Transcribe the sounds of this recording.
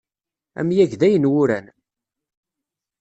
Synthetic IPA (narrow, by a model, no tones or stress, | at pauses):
æ̰mjæʝðæjənwʊɾæn